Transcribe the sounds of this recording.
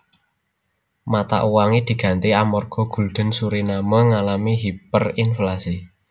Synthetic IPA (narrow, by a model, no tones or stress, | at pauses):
mat̪a̰ʔuwaŋid̪̥i̤ɡ̥ä̤nt̪iamɔrɡ̥ɔ̤ɡ̥ṳld̪̥ə̤nsuɾinamɔŋalamiɦipərinflasi